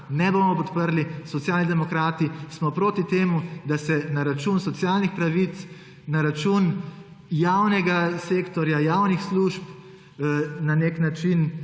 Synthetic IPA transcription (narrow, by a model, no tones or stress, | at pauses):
nɛboːmɔpɔt̪pəɾlisɔt̪jaːlnid̪ɛmɔkɾaːt̪ismɔpɾoːt̪it̪eːmud̪asɛnaɾat͡ʃunsɔtsjaːlnixpɾaʋit̪s | naɾat͡ʃun | jawnɛɡaseːkt̪ɔɾjajaːwnixsluʃp | naneknat͡ʃin